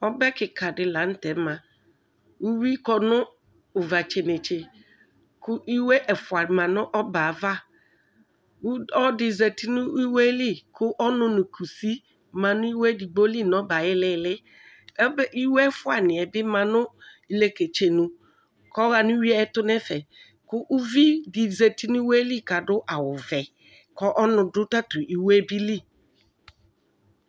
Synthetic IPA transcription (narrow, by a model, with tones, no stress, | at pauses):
ɔ˦bɛ˦kɪ˨kʰa˨dɪ˨la˨˦n̩˦tɛ˨˦mã˨ | u˦wi˦kɔ˨nʊ̃˦ | ʊ˨va˨t͡ʃe˨nɪ˨t͡ʃe˨ | kʊ˦ʔi˦we˦ʔɛ˨fʊ˨a˨mã˨nʊ̃˦ʔɔ˦ba˨va˦ | u˦ɔ˦dɪ˨ze˨ti˦nʊ˦i˦we˦lɪ˦kʰʊ˦ʔɔ˦nʊ̃˦nʊ˨kʰu˨si˦ | mã˨nʊ̃˦i˦we˦di˨ɡ͡bo˦li˦nɔ˨˦ba˨jɪ˦lɪ˦˨lɪ˦ | bʔi˦wɛ˦fʊ˦a˨nɪ̃˨ɛ˨bɪ˦mã˨nʊ˦i˨˦le˦ke˨t͡ʃe˨nũ˨ | kɔ˦ɣa˨nʊ̃˦wi˦ɛ˦ɛ˦tʊ˦nɛ˦fɛ˨ | kʊ˦ʔu˦vi˦dɪ˨ze˨ti˦nʊ˦i˦we˦li˦ka˨dʊ˦ʔa˨wʊ˨vɛ˨ | kɔ˦ʔɔ˦nʊ̃˨dʊ˦ta˦tʊ˨ʔi˨we˦bi˦li˦˨